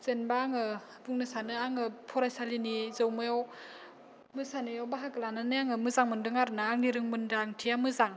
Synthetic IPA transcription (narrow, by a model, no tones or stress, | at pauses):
z̥enbaːŋɯ | buŋnɯsanɯaŋɯpʰɔɾajsalinizɯwmɯjaw | mɯsanɯjawbaɦakɯlananɯjaŋɯmɯzaŋmɯndɯŋaɾɯnaːŋliɾɯŋmɯndaŋtʰiamɯzaŋ